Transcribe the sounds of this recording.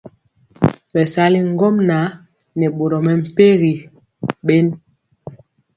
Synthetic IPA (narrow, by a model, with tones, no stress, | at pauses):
ɓɛ˨sa˦li˦ŋ˦ɡɔ˦mna˨˦ | nɛ˨ɓo˨ɾɔ˨mɛ˨m̩˨pe˦ɣi˨ | ɓe˦n